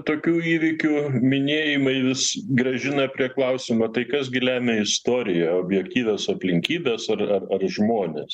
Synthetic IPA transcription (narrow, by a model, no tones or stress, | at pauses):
t̪oːkʲuːiːʋʲɪkʲuːmʲɪnʲeːjɪmɐɪʋʲɪsɡɾɐʒʲɪnɐpʲɾʲiɛklˠɐʊsʲɪmɐt̪ɐɪkɐs̬ɡʲɪlʲæːmʲeɪst̪oːɾʲɪjɛoːbʲjɛkt̪ʲiːʋʲɛsɐpʲlʲɪŋʲkʲiːbʲɛsɐrɐrɐrʒmoːnʲeːs